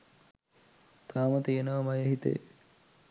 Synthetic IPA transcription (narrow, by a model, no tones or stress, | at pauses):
t̪aːmət̪əjenəʋɐmɐjəɦit̪ḛ